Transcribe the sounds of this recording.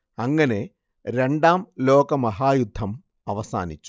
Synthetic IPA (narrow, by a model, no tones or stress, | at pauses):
ɐŋːɐne̞ | ɾe̞ɳɖaːmlo̞ːɡɐmɐɦaːjud̪ʱːɐm | ɐʋɐsa̰ːnit͡ɕːu̥